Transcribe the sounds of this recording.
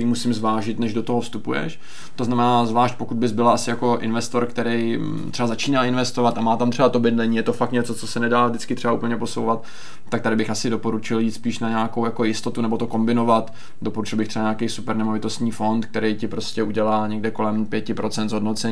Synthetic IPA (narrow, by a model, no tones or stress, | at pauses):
ɾiːmusɪmzvaːʒɪt̪nɛʒdot̪o̞ɦofst̪upujɛ̰ʃ | t̪oznamɛnaːzvlaːʃc̚po̞kud̪̚bɪzbɪlaasɪjako̞ʔɪ̰nvɛst̪o̞ɾkt̪ɛɾɛj | t̪r̥ɛbazat͡ʃiːnalɪnvɛst̪o̞vat̪amaːt̪amt̪r̥ɛbat̪o̞bɪdlɛɲiːjɛt̪o̞fakt̪ɲɛt͡sot͡so̞sɛnɛdaːvdɪt͡skɪt̪r̥ɛbaupl̩ɲɛpo̞sowvat̪ː | akt̪adɪbɪxʔasɪdo̞po̞ɾut͡ʃɪljiːt̪spiːʃnaɲaːkowjako̞jɪst̪ot̪unɛbo̞t̪o̞ko̞mbɪno̞vat̪ | dopo̞ɾut͡ʃɪlˠbɪxt̪rɛbaɲaːkɛjsupɛɾnɛmovɪt̪o̞st̪ɲiːfo̞nt̪k̚t̪ɛɾejcɪpɾo̞scɛʔuɟɛlaːɲɛɡdɛko̞lɛmpjɛcɪpɾʔo̞t͡sɛnd̪zɦodnot͡sɛɲː